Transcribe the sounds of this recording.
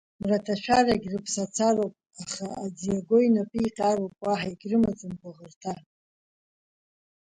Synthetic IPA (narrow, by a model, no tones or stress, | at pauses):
mratʰaʃʷᶣaraɡʲrɨpʰsat͡sʰarowpʼ | aχaad͡zijaɡʷo̞jnapʰʼiiqʲʼarowpʼwaħaiɡʲrɨmat͡sʼɨmbaʁərtʰa